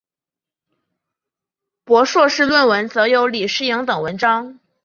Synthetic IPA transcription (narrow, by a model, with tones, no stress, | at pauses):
pwɔ˧˥ʂwɔ˥˧ʂɻ̩˥˧lwə˥˩nwə˧˥nt͡sɤ˧˥jo˧˥ʊli˨˩ʂɻ̩˥˩jɑ˧˥ŋt̪ɤ˨˩ŋwə˧˥nʈ͡ʂɑ˥ŋ